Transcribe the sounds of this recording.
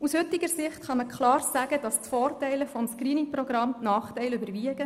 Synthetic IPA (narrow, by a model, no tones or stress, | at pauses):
ushʏtiɡəɾsɪχtχɑməkʰlɑːrsæːɡ̥əd̥ɑstfɔːrtɛɪləfɔmskɾiːniŋprɔɡɾɑmnɑːχtɛɪlybəɾviəɡə